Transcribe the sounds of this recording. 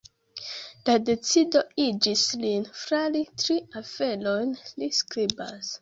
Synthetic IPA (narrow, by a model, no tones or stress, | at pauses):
lade̞t͡sido̞id͡ʒislinfɾalitɾiafe̞lojnliskɾiba̰s